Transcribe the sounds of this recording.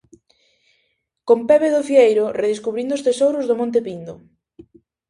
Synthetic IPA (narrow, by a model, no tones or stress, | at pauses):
kompɛβeðʊfiejɾʊreðeskuβɾind̪ʊst̪esowɾʊzðʊmõnt̪̬epind̪ʊ